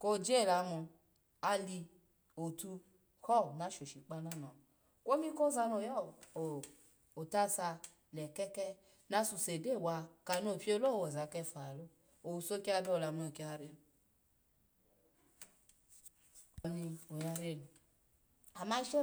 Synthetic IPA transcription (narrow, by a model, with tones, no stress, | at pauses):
ko˦˨d͡ʒe˦˨la˧mu˧ | a˧li˧ | o˨tu˧ | hɔ˦˨na˦ʃo˨ʃi˨k͡pa˧na˦nɔ˨ | ko˦mi˦ko˦za˧no˨jɔ˦˨o˨ | o˨ta˦sa˧ | lɛ˨kɛ˦kɛ˦ | na˧su˨se˨de˦˨wa˧ka˨no˨pi˦o˦lo˦˨wo˨za˨˦kɛ˧˨fa˨lo˦ | o˨u˨so˦ki˦a˧bi˦o˨la˨mi˧˦o˨ki˧a˧˨ɾe˧˨nu˨ | ni˧o˨ja˧ɾe˦˨nu˨ | a˨ma˦i˦ʃo˦